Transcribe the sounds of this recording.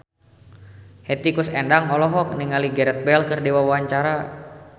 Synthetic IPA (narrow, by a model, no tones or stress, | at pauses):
hɛt̪ikʊsɛndaŋɔlɔɦɔk̚niŋaliɡɛɾɛt̪̚bɛlkɨrdiwawaaɲt͡ʃaɾa